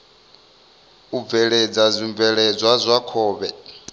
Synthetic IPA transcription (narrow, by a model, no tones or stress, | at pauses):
ub̪vɛɺed͡zazʷiɱb̪vɛɺɛd͡zwazʷakʰɔːβɛ